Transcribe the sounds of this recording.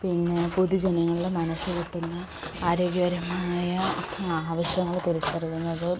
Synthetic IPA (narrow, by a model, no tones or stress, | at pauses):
pinːe̞puðud͡ʑenɐŋːɐɭilemɐnɐsːɨkiʈːunːɐ | aːɾo̞ːɡjɐʋɐɾɐmajɐaːʋɐɕjɐŋːɐɭt̪uɾɐskɐrikːunːɐðɨ